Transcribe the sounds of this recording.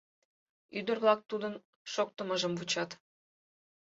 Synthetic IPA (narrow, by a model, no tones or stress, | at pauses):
yd̪ərβlɑk̚t̪ud̪ən | ʃok̚t̪əməʒəmvut͡ɕɑt̪